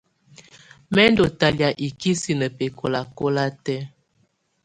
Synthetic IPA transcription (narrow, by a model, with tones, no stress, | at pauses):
mɛ˦ndo˨ta˨lja˨ʔi˨ki˦si˨nə˨pe˨kʰo˨la˨ko˦la˦tɛ˦